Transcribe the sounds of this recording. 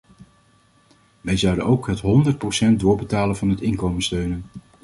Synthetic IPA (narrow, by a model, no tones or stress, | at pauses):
ʋɛjzɑwdə̰nowkɦətɦɔndərt̚prowsɛnt̚dʊːɹbətaːlənvɑnɦətɪŋkowmənstøɥnən